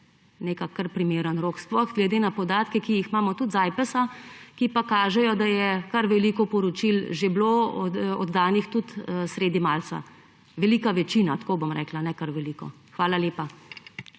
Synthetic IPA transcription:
nekakːɐɾpɾimeːɾənɾoːksplɔxɡlɛd̪enapɔd̪aːt̪kɛkijixmaːmɔt̪ut̪zajpəsakipakaːʒɛjɔd̪ajɛkaɾʋɛliːkɔpɔɾɔt͡ʃilʒebloɔ̰d̪ːaːnixt̪ut̪ːsɾeːd̪imalt̪sa̰ | ʋɛliːkaʋɛt͡ʃiːnat̪kobomɾɛ̰klanɛkaɾʋɛliːkɔ̰ | xʋaːlaleːpa

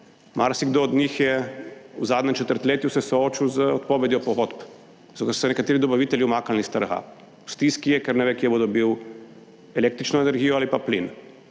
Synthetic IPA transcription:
maɾsiɡd̪oːd̪nixjɛuzaːd̪nʲɛmt͡ʃɛt̪əɾt̪leːt̪jusɛsoot͡ʃiwzəot̪poʋed̪jɔpɔɣot̪p̪ | okəɾsɛnɛkat̪eːɾid̪ɔbaʋiːt̪ɛljiumaːkalnist̪əɾɣa̰ | u̥st̪iskijɛkɛɾnɛʋekjɛbod̪obiw | ɛleːk̚t̪ɾit͡ʃnɔenɛɾɡiːjoalipaplḭn

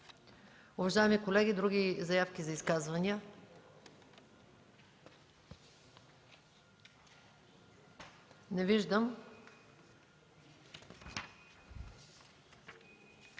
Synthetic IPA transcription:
ʊvɐʒaɛmikolɛɡʲid̪ɾuɡʲizɐjafkʲizɐiskazvɐnijə | nɛviʒd̪əm

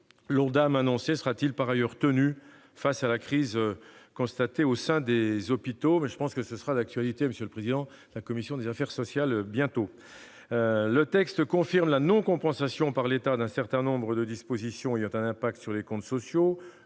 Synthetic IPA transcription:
lɔʁd̪amanɔ̃sesəʁat̪ilpaʁajœʁt̪əny | fasalakχizkɔ̃st̪at̪eosɛ̃d̪ezɔpit̪omɛʒəpɑ̃skəsəsəʁad̪ak̚t̪ɥalit̪eməsjøləpχezid̪ɑ̃ | d̪əlakɔmisjɔ̃d̪ezafɛʁsɔsjalbjɛ̃t̪o | lət̪ɛkst̪kɔ̃fiʁmlanɔ̃kɔ̃pɑ̃sasjɔ̃paʁlet̪ad̪ɛ̃sɛʁt̪ɛ̃nɔ̃bʁəd̪əd̪ispozisjɔ̃ejɑ̃t̪ɛ̃nɛ̃pak̚t̪syʁlekɔ̃t̪sɔsjo

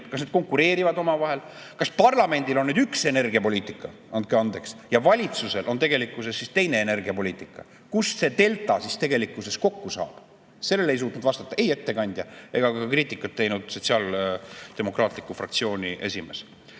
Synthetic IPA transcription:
kɑsned̪̥ko̞ŋkːuɾe̞ːɾivɑd̪o̞mɑvɑɦe̞l | kɑspɑrlɑme̞nʲd̪ilo̞nːyːd̪ykse̞nerɡiɑpo̞lʲiːt̪ˑikːˑɑ | ɑnd̪̚keɑnd̪e̞ksjɑvɑlʲit̪suse̞lʔo̞nt̪e̞ɡe̞likːˑuse̞sːist̪e̞jne̞ːne̞rɡiɑpo̞lʲiːt̪ˑikˑːɑ̰ | kusse̞t̪e̞lt̪ˑɑsist̪e̞ɡe̞likːˑuse̞sko̞kːusɑ̰ːb̥ | se̞lːelejs̬uːt̪nud̪̥vɑst̪ɑ̥t̪ːˑɑʔe̞je̞t̪ːe̞kɑnʲd̪̥jɑe̞ɡ̥ɑkɑkriːt̪ːˑikːɑt̪ːe̞jnud̪̥so̞t̪siɑːld̪̥e̞mo̞krɑːt̪ˑlikːˑufrɑ̰kt̪sio̞ːnʲiʔe̞sʲime̞s

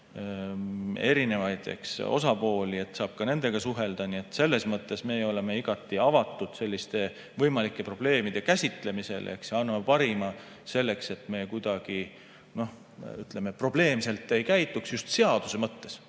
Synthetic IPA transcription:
e̞ɾine̞vɑjd̪̥ḛkso̞̰sɑpo̞ːlie̞t̪ːˑsɑːb̥kɑne̞nd̪̥e̞ɡ̥ɑsuɦe̞ld̪̥ɑnie̞t̪ːˑse̞lːe̞smɤt̪ːe̞sme̞ːjo̞le̞me̞iɡ̥ɑt̪ːˑiɑvɑt̪ˑːud̪̥se̞lʲːist̪e̞ | vɤjmɑlikːˑe̞pro̞b̥le̞ːmid̪e̞kæsʲit̪ˑle̞mise̞̰lḛksjɑnːɑmepɑɾimɑ | se̞lːe̞kse̞t̪ːˑme̞ːkujd̪̥ɑɡ̥i | no̞h | yt̪lemepro̞b̥le̞ːmse̞lt̪ːˑe̞jkæjt̪ːˑuksjust̪se̞ɑd̪̥use̞mɤt̪ːe̞s

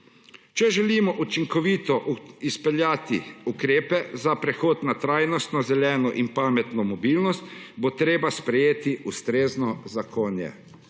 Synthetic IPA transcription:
t͡ʃɛʒɛlimɔʔut͡ʃiŋkɔʋiːt̪ɔispɛljaːt̪ḭukɾeːpɛzapɾɛxoːt̪nat̪ɾajnɔst̪nɔzɛljɛːnɔʔinpaːmɛt̪nɔmɔbiːlnɔst̪bot̪ɾeːbaspɾɛjeːt̪iʔust̪ɾeːznɔzakʰoːnjɛ̰

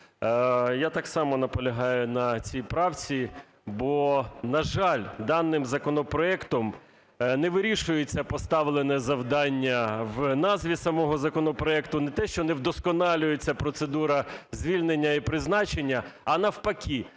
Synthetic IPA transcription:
jat̪ɑksɑmɔnɐpɔlʲɐɦɑjʊnɐt͡sʲijpɾɑwt͡sʲi | bɔnɐʒɑlʲd̪ɑnːɪmzɐkɔnɔpɾɔɛkt̪ɔm | nɛʋɪɾʲiʃʊjet͡sʲːɐpɔst̪ɑʋlˠenɛzɐwd̪ɑnʲːɐwnɑzʋʲisɐmɔɦɔzɐkɔnɔpɾɔɛkt̪ʊnɛt̪ɛʃt͡ʃɔnɛwd̪ɔskɔnɑlʲʊjet͡sʲːɐpɾɔt̪sed̪uɾɐzʲʋʲilʲnenʲːɐipɾɪznɑt͡ʃenʲːɐɐnɐwpɐkʲi

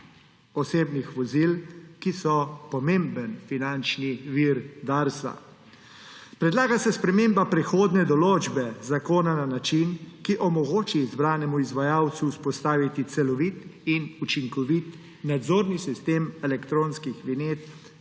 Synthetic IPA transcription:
ɔseːbnixʋɔzilkisɔpɔmembənfinant͡ʃniʋiɾd̪aɾsa̰ | pɾɛd̪laːɡasɛspɾɛmeːmbapɾɛxoːd̪nɛd̪ɔloːd͡ʒbɛzakoːnananat͡ʃinkiʔɔmɔɡoːt͡ʃizbɾaːnɛmuizʋajaːwt̪suːspɔst̪aːʋit̪it̪sɛlɔʋit̪inut͡ʃiŋkɔʋit̪ | nad̪zoːɾnisist̪eːmɛlɛkt̪ɾoːnskixlineːt̪

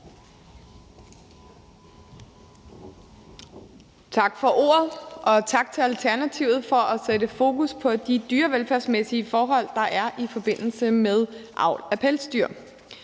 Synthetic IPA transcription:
t͡sʰɑ̈ɡ̥fɒ̽ʔo̝̰ːɐð̞ˠʔɒ̽t͡sʰɑ̈ɡ̥̚t͡sʰe̝lælt͡sʰæɐnæt͡sʰiʊ̰ð̩ˠfɒ̽ʔæsedəfo̝ːkuspʰɒ̽d̥id̥yːɐʋelfæɐsmesiəfɒːɦɒ̽l̰d̥ɑ̈ʔæɐʔifɒ̽b̥e̝n̰l̩səmeðˠʔɑ̈ʊ̰læpʰelsd̥yɐ̰

